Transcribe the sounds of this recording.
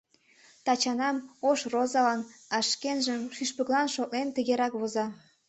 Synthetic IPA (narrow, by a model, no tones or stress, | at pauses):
t̪ɑt͡ɕɑnɑmoʃrozɑlɑnɑʃkenʒəmʃyʃpə̆klɑnʃok̚nent̪əɣeɾɑkβozɑ